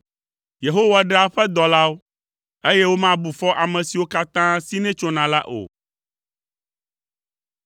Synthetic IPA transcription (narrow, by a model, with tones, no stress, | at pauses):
je˨ɦo˦wa˨ɖe˦a˦ɸɛ˦d̪ɔ˨la˦wo˦ | e˦jɛ˦wo˦mã˦bu˨fɔ˦ʔa˨mɛ̃˨si˨wo˦ka˦t̪ã˦si˦nɛ̃˦t͡ʃo˦nã˨la˦ʔo̰˨